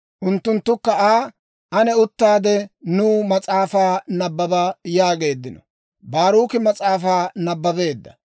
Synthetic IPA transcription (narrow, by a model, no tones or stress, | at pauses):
ʔʊnt̪ːʊnt̪ːʊkːɐaː | ʔɐnɛʊt̪ːaːd̪ɛnuːmɐt͡sʼaːfaːnɐbːɐbɐjaːɡe̞ːd̪ːɪnɔ | baːɾuːkɪmɐt͡sʼaːfaːnɐbːɐbe̞ːd̪ːɐ